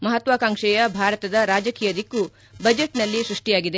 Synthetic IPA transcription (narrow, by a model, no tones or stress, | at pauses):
mɐɦɐt̪ʋaːkaːŋʂɛjɐbʱaːɾɐt̪ɐd̪ɐɾaːd͡ʒɐkiːjɐd̪ikːu | bɐd͡ʒeʈnɐlːisɾuʂʈijaːɡid̪e